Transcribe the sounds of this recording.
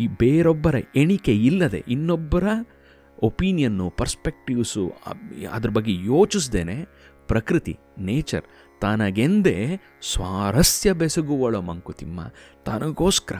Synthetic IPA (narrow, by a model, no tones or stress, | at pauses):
ibeːɾɔbːɐɾɐeɳikeilːɐd̪e̞̰ʔinːɔbːɐɾɐ | opiːnijɐnːupɐɾspek̚ʈiʋsṵɐ̰d̪ɐɾɐbɐɡːejoːt͡ʃis̬d̪eːne | pɾɐkɾit̪ḭ | neːt͡ʃɐ̰ɾ | t̪aːnɐɡend̪e | sʋaːɾɐsjɐbesɐɡuʋɐɭomɐŋkut̪imːɐ̰t̪aːnɐɡoːskɐɾɐ